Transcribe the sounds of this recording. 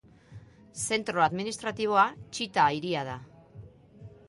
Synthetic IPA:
se̞nt̪ɾo̞aðminist̪ɾat̪iβ̞o̞at͡ʃit̪aiɾiað̞a

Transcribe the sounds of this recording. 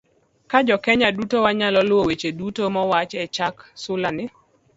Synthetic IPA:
kad͡ʒɔkɛɲadutowaɲalɔlwowet͡ʃedutomɔwat͡ʃɛt͡ʃaksʊlanɪ

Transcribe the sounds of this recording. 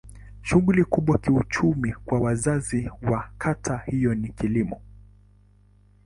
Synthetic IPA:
ʃuɣulikuɓwakiut͡ʃumikwawazaziwakʰatʰahijɔnikilimɔ̰

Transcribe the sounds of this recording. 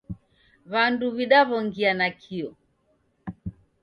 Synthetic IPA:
βanduβiɗaβɔŋɡianakʰiɔ

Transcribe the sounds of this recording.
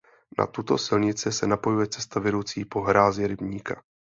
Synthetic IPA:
na̰t̪ut̪o̞sɪlɲɪt͡sɪsɛnapo̞jujɛt͡sɛ̥st̪avɛɾowt͡siːpo̞ɦɾaːzɪɾɪbɲiːka

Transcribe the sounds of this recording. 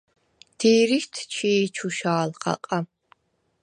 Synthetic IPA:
d̪̥iːɾiʃt̪ʰt͡ʃʰiːt͡ʃʰuʃaːlχa̰qʼa

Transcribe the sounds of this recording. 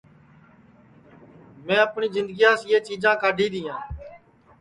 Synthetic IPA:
mɛ̃ːəpɳiːzɪ̃nd̪ɡiːãːsieːt͡ʃiːd͡ʒãːkaːɖʱiːd̪iːãː

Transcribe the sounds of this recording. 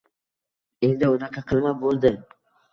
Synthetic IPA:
e̞nd̪ɪʊnɑqʰɑqʰɨlˠmabolˠd̪ɪ

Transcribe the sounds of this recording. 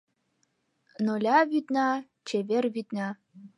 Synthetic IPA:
nolʲɑβyt̪nɑ | t͡ɕeβerβyt̪nɑ

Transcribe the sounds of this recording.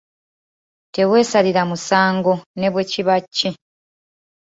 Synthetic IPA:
te̞we̞ːsaliɾamusaːŋɡo̞ne̞βweciβacːi

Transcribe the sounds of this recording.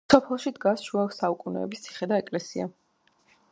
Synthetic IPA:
sɔpʰɛlˠʃid̪ɡasʃuaksaukʼunɛ̰ɛbist̪ʰi̥χɛd̪aɛkʼlɛsia̰

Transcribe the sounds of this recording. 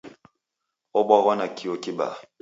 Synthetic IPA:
ɔɓɔɣɔnakʰiokiba̰

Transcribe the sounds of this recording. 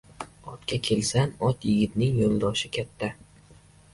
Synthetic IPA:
ɒt̪kʲakʲʰe̞lsanɒt̪jɪɡʲɪt̪nɪŋjolˠd̪ɒʃɪkʲʰat̪ʰːa

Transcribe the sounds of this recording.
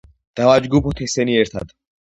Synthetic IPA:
d̪̥avad͡ʒɡupʰɔt̪ʰɛsɛniɛɾt̪ʰa̰d̪̥

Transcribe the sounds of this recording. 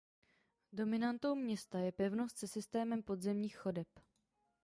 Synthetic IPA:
do̞mɪnant̪owmɲɛst̪ajɛpɛvno̞st̪sɛsɪst̪ɛːmɛmpo̞d̪zɛmɲiːxxo̞dɛp

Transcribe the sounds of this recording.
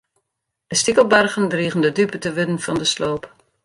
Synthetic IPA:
d̥əstikəlˠbarɣəndriːɣəndədypətəʋʏdənfɑndəsloːp

